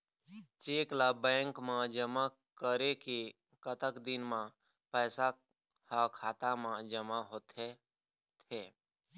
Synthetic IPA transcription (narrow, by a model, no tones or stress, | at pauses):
t͡ʃeːklaːbɛ̃ːŋkmãd͡ʒəma | kəɾeke | kət̪əkd̪ɪnmã | pɛːsa | hakʰaːt̪amãd͡ʒəmaɦot̪ʰe | t̪ʰeː